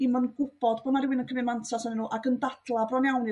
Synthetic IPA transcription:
imənɡʊb̥ɔdboːnaɾɪwɪnənkʰəmɪnmantʰasɔninːuːʔaɡəndad̥lˠabrɔnjawni

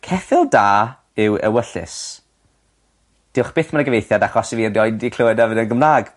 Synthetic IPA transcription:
kʰɛfɪlˠdaː | ɪwə̰wəɬɨ̰s | d̥ɪwχb̥ɪːθmanəɡəvejθjadaχɔsiviːrdiɔjndikʰl̥oːɨdɛvɨnənɡəmlaːɡ

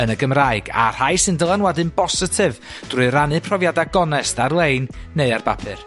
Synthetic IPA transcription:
ənəɡəmraɨɡa̰r̥ajsɨndəlˠanwɛdɨnbɔsɨtʰɨv | d̥rʊɨɾanɨpʰrɔvjadaɡɔnɛstarlˠejnːeɨarbapʰɨ̰r

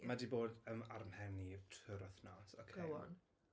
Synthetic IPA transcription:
madiboːdəmarmhɛnitʰɨɾɔθnɔsokʰeɔ̰n

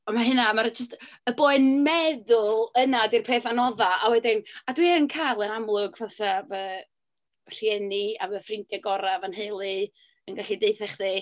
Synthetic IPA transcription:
ɔnmaɦɨnamaɾd͡ʒəs̬təboːɨnmɛðʊlˠənadirpʰeːθanɔðaawɛdɪnadwiɛənkʰajlˠənamlˠʊɡvasavə | r̥jɛniavəfrɪŋtjaɡɔɾavanheɨlˠɨ | ənɡaɬideɨθɛχði

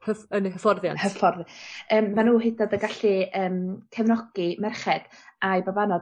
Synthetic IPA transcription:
həfənihəfɔrðja̰nhəfɔrðjəːmːanuːɦɪdɔdəɡaɬiəːmkʰɛvnɔɡ̥imɛrχɛd̥ | ajbabanɔd

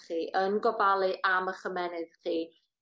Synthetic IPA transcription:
χiːʔənɡɔbalˠɨʔaməχəmɛnɨðχiː

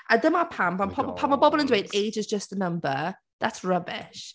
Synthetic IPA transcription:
ʔəðəmapʰãmpãmpʰɔbpʰaməbɔbəlˠə̃ndweɪteɪd͡ʒɪzd͡ʒəstənʌ̃mbə | ðatsɹəbɪʃ

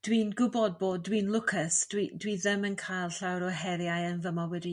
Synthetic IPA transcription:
d̥wiːnɡʊbɔd̚boːddwinlˠʊkʰəsd̥widwiðəmənkʰajlˠɬawɾɔɦɛɾjajənvəmɔwɛdi

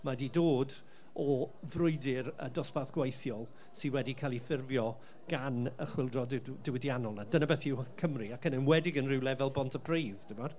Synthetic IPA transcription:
madidoːd | ɔvrʊɨdɪɾə̰dɔspaðɡ̥wejθjɔlˠ | sɪnwɛdikʰaːlˠifɪrvjɔ | ɡ̥anə̰χwɪlˠdrɔddɪwɪdjanɔlˠnadənabɛθɪwkʰəmriakənɪnwɛdɪɡənrɪwlˠɛvɛlˠbɔntʰəbrejðd̥ɪmar

